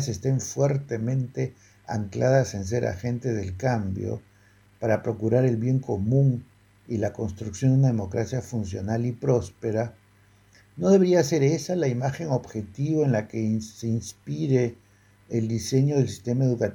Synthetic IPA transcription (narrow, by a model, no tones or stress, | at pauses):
se̞st̪e̞ɱfwe̞ɾt̪e̞mẽ̞nt̪e̞ | a̰ŋklʔað̞asens̬e̞ɾʔa̰xe̞nt̪eðe̞lkambjo̰ | paɾapɾo̞kuɾaɾe̞lβje̞ŋko̞mũŋ | ilako̞nst̪ɾuksjod̪unaðemo̞kɾasjafunsjo̞nalipɾo̞spe̞ɾa | no̞ðeeɾiase̞ɾe̞salaimaxe̞ŋo̞βxe̞t̪iβaenlake̞seinspiɾe̞ː | ld̪ise̞ɲo̞ð̞elsi̥st̪e̞mae̞ðukat̪